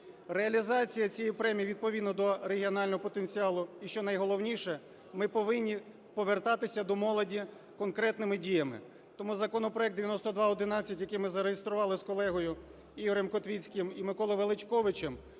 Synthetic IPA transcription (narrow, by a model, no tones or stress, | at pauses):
reɐlʲizɑt͡sʲijɐt͡sʲɛjipɾɛmʲijiʋʲid̪̚pɔʋʲid̪nɔd̪ɔɾeɦʲiɔnɑlʲnɔɦɔpɔt̪enʲt͡sʲiɑlˠʊiʃt͡ʃɔnɐjɦɔlˠɔwnʲiʃɛ | mɪpɔʋɪnʲːi | pɔʋert̪ɑt̪ɪsʲɐd̪ɔmɔlˠɔdʲi | kɔnkɾɛt̪nɪmɪdʲijɐmɪ̰ | t̪ɔmuzɐkɔnɔpɾɔjɛk̚d̪eʋʲjɐnɔst̪ɔd̪ʋɑɔd̪ɪnɑt͡sʲːɐtʲjɐkɪmɪzɐɾejist̪ɾʊʋɑlˠɪskɔlˠɛɦɔjʊ | iɦɔɾɛmkɔt̪ʋʲit͡sʲkɪmimɪkɔlˠɔʋelˠɪt͡ʃkɔʋɪt͡ʃɛm